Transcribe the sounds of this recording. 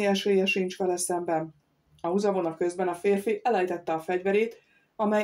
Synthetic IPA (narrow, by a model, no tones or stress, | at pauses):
iɛʃeːjɛʃint͡ʃkɛlɛsɛmbɛn | ɒuzɒvo̞nɒkø̞zbɛnɒfeːrfiʔɛlɛjt̪ɛt̪ːɛɒfɛɟvɛɾeːt̪ | ɒmɛ